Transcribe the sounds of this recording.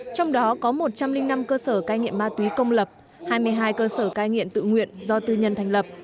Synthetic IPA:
t͡ɕɔ˧wŋ͡mɗɔ˨˦kɔ˨˦mo˨˩t̚t͡ɕa˧mlï˧ŋna˧mkəː˧səː˧˩kaː˨˧jŋḭ˧˨əmaː˧t̪wi˨˦kə˧wŋ͡mlə˨˩p̚ | haː˧jmɨ˧əjɦaː˧jkəː˧səː˧˩kaː˨˧jŋḭ˧˨əmt̪ɨ̰˧˨ŋwḭ˧˨ənzɔ˧t̪ɨ˧ɲə˧nt̪ʰɛ˨˩ŋ̟lə˨˩p̚

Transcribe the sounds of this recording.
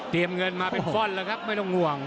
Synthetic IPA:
t̪i˧əmŋɤ˧nmaː˧pe˧nfɔ˥˩nləː˧kʰa˦˥p̚ma˥˩jt̪ɔ˥˩ŋu˨˩əŋ

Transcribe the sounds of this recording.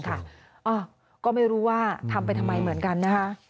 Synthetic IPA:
nkʰa˥˩ | ʔɔː˧˩ | kɔː˥˩ma˥˩jɾuː˦˥waː˥˩t̪ʰa˧mpa˧jt̪ʰa˧mːa˧jmɯ˩˦ənka˧nːa˦˥kʰa˦˥ʔ

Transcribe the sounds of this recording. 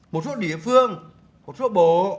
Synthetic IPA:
mo˨˩t̚so˦˥t̚ɗḭ˧˨əfɨ˧əŋ | mo˨˩t̚so˦˥ɓo˨˩

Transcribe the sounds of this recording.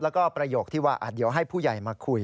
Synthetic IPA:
lɛː˦˥wkɔː˥˩pɾa˧joː˨˩k̚t̪ʰiː˥˩waː˥˩ʔa˨˩d̪i˩˦əwɦa˥˩jpʰuː˥˩ja˨˩jmaː˧kʰu˧˩j

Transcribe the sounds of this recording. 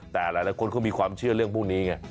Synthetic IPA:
t̪ɛː˨˩laː˨˦jlaː˨˦jkʰo˧nkʰɔ˥˩ŋmiː˧kʰwaː˧mt͡ɕʰɯ˥˩ɐɾɯ˥˩əŋpʰuː˥˩ŋniː˦˥ŋa˧˩

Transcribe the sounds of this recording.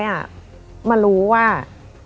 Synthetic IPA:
jʔa˨˩ | ma˧nɾuː˦˥waː˥˩

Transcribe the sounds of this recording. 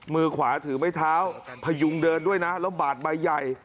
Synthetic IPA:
mɯː˧kʰwaː˩˦t̪ʰɯː˩˦ma˥˩jt̪ʰaː˦˥wpʰa˧ju˧ŋdɤː˧ndu˥˩əjna˦˥la˦˥baː˨˩t̪̚ba˧jːa˨˩j

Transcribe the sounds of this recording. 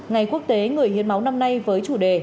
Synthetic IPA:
ŋa˨˩jku˦˥ək̚t̪e˨˦ŋɨ˨˩əjhḭ˧˨ənma˨˦wna˧mna˧jvəː˨˦jt͡ɕu˧˩ɗe˨˩

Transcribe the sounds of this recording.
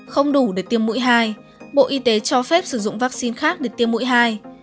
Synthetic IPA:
xə˧wŋ͡mɗu˧˩ɗe˧˩t̪i˧əmːṵ˧˥jɦaː˧j | ɓo̰˧˨ʔi˧t̪e˨˦t͡ɕɔ˧fɛ˦˥p̚sɨ˧˩zʊ̰˧˨ŋ͡mvaː˦˥k̚si˧nxaː˦˥k̚ɗe˧˩t̪i˧əmːṵ˧˥jɦaː˧j

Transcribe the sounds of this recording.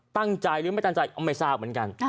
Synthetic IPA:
t̪a˥˩ŋt͡ɕa˧jɾɯː˨˦m˥˩jt̪a˥˩ŋt͡ɕa˧jʔa˧mːa˥˩jsaː˥˩p̚mɨ˩˦ə˦nka˧n

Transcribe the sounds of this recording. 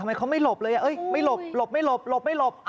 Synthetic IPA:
a˧mː˧jkʰa˦˥wma˥˩jlo˨˩p̚lɤː˧ja˨˩ʔɤ˦˥˩jma˥˩jlo˨˩p̚lo˨˩p̚ma˥˩jlo˨˩p̚lo˨˩p̚ma˥˩jlo˨˩p̚ʔ

